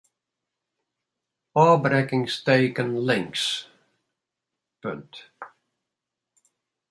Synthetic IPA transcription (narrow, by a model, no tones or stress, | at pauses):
ɑːbɾɛkɪ̃ŋsteɪkə̃nlɪ̃ŋks | pɪ̃nt